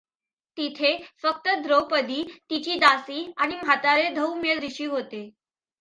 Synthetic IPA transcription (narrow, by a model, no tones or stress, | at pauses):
t̪it̪ʰefək̚t̪əd̪ʱɾopəd̪iːt̪it͡ɕiːd̪asiːaɽ̃imɦat̪aɾed̪ʱəwmeɭɾiɕiːɦot̪e